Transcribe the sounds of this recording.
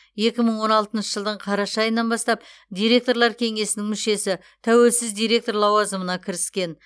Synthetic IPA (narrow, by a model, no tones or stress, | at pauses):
je̞kʲɪməɴwo̞nɑlˠt̪ənʃəʒəlˠd̪əɴqʰɑɾɑʃɑjənːɑnbɑst̪ɑp̚d̪ʲijɾʲe̞kt̪o̞ɾlˠɑɾkʲʰe̞ŋe̞sɪnɪŋmʏʃe̞sɪ | t̪ʰæwe̞lsɪzd̪ijɾʲe̞k̚t̪o̞ɾlˠɑwɑzəmənɑkʲʰɪɾɪskʲe̞n